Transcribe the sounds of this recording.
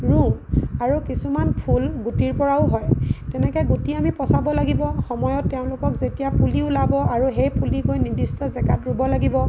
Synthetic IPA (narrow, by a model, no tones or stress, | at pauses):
ɹuaɹukisumanpʰulɡutiɹpɔɹaʊɦɔjtɛnɛkɛɡutiamipɔsabɔlaɡibɔxɔmɔjɔtːɛʊ̃lʊkɔkzetijapuliʊlabɔaɹuɦejpʰulikojnidistɔzɛɡatɹubɔlaɡibɔ